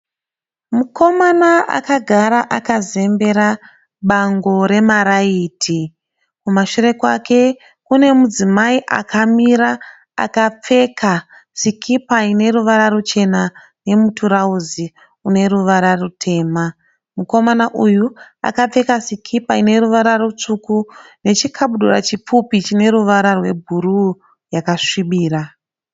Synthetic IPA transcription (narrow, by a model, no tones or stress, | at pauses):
muko̞manaa̰kaɡʱaɾaʔakaze̞mbe̞ɾa | ɓaŋɡo̞ɾe̞maɾaiːtʰi | kumaʃuɾe̞kwake̞ | kune̞mud͡zimaiʔa̰kʰamiɾa | a̰kap͡fe̞kʰa | sikʰipaine̞ɾuʋaɾarut͡ʃe̞na | ne̞mutʰuɾauzi | une̞ɾuʋaɾarutʰe̞ːma | muko̞manaʔujua̰kap͡fe̞kasikʰipaine̞ɾuʋaɾarut͡ʂukune̞t͡ʃikʰaɓuɗura̰t͡ʃipupit͡ʃine̞ɾuʋaɾarwe̞bʱuɾu | jakaʂiɓiːra